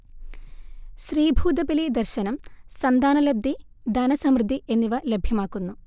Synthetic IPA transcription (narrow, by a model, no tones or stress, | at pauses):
ɕriːbʱuːd̪ɐbilid̪ɐrɕɐnɐmsɐnd̪aːnɐlɐb̚d̪ːi | d̪ɐnɐsɐmɾɨd̪ʱːiʔe̞nːiʋɐlebʱjɐmaːkːunːu